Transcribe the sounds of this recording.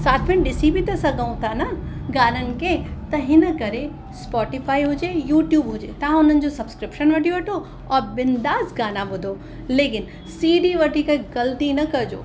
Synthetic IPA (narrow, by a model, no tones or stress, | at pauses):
saːt̪ʰmɪ̃ñɗɪsibit̪ɐsɐɡaũt̪ʰanɐɡaːnənɪ̆ket̪ɐɦɪnəkɐɾe | spɔːʈifaːiɦʊd͡ʑejuːʈjuːbɦʊd͡ʑet̪ɐɦãʊn̤ənɪ̆d͡ʑosɐbskɾɪpʃənʋɐʈʰijoʋɐʈʰo | ɔːɾbɪnd̪aːzɡaːnabʊd̪ʱo | leːkɪn | siːɖiʋɐʈikɐɡɐlt̪inɐkɐd͡ʑo̰ː